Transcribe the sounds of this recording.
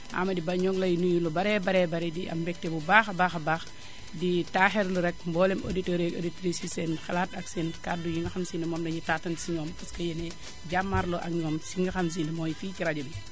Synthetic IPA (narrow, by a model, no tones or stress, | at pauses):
ʔa̰mɐdibɐɲɔɡlɐjnujulɔbɐɾɛbɐɾɛbɐɾɛdiʔɐ̰mbɛk̚tɛbubaːxɐbaːxɐbaːx | ditaːxɛɾluɾɛk̚mbɔːlɛmo̰ditɔɾɛo̰ditɾisisɛnxɐlaːtɐksɛnkat̚dujiŋɡɐxamsinɐmɔːmdɐɲitatɐnsiɲɔːmpɐskɐjɛnɛ | ɟamːaɾlɔʔɐkɲɔːmsiŋɡɐxɐms̬iːndɐmɔjfiːciɾaɟumi